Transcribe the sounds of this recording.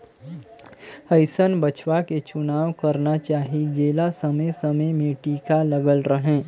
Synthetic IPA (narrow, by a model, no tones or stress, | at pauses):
həɪsənbət͡ʃʋaket͡ʃʊnaːwkɐɾnat͡ʃaːɦid͡ʒeːlasɐməjsɐməjmẽʈiːkalɐɡəlɾəɦẽː